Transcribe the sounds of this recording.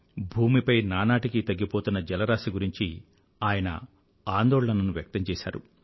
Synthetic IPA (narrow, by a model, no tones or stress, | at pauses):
bʱuːmipɐjnaːnaːʈikit̪ɐɡːipoːt̪unːɐd͡ʒɛlɐɾaːsiɡuɾiɲt͡ʃi | aːjɐnɐ̰ | aːnd̪ɔːɭɐnɐnuʋjɐk̚t̪ɐɲt͡ʃɛːʃa̰ːɾṵ